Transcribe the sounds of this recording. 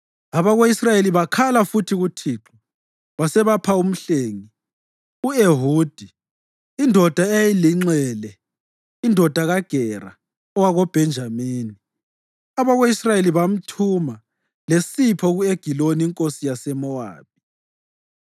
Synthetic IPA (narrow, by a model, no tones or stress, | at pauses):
aβaɣoisrajeliβakʰalafutʰiɣutʰiːǁu | βasɛβapʰaum̩ɬeːŋi | ueɦuːd̥ʱi | indʱɔd̥ʱaejiliŋ͡ǀɛːlɛ | indʱɔd̥ʱaɣaɡ̥ʱɛra̰ | ɔwaɣɔb̥ʱɛnd͡ʒʱamiːni | aβaɣoisrajeliβam̩tʰuma | lesipʰɔɣueɡ̥ʱiloniːŋkʼosijasɛmɔa̰ːβ̥̚ʱi̥